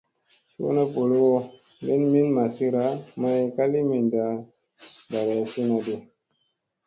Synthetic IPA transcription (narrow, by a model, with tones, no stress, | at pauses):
sṵ˦na˦po˨lo˦wo˦ | be˦nmi˦nma˨si˦ɾa˨˦ma˧i˧ka˦li˦mi˨nda˨ | da˨ɡa˨si˦na˨de˨